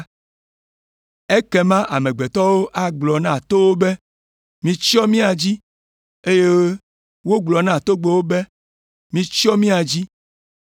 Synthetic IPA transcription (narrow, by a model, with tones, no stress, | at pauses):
e˦kɛ˨mã˦ʔa˨mẽ˨ɡ͡be˨t̪ɔ˦wo˦ʔa˨ɡ͡blɔ˨nã˦˨t̪o˦wo˦be˦ | mĩ˦t͡ʃɔ˦mĩ˦a˨d͡ʑi˦ | e˦je˦ | wo˦ɡ͡blɔ˨nã˦˨t̪o˦ɡ͡be˨wo˦bɛ˦ | mĩ˦t͡ʃi˦ɔ˦mĩ˦a˨d͡ʑi˦